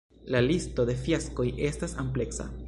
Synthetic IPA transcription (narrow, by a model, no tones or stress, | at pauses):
lalisto̞de̞fjasko̞je̞stasample̞ksa̰